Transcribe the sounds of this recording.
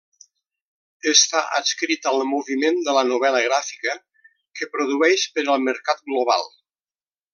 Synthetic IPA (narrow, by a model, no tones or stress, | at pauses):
əst̪aʔə̰skɾit̪əlˠmuβimend̪ələnuβɛləɣɾafi̥kə | kəpɾuðuɛʃpəɾəlˠməɾkat̪̚ɡloβa̰lˠ